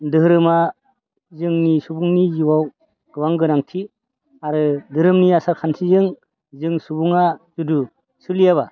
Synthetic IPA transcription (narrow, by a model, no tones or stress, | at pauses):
dɯɾɯma | zɯŋnisubuŋniziwaw | ɡ̥ɯwaŋɡɯnaŋtʰi | aɾɯdɯɾɯmniasaɾkʰantʰizɯŋ | zɯŋsubuŋaz̥udu | sɯlijaβa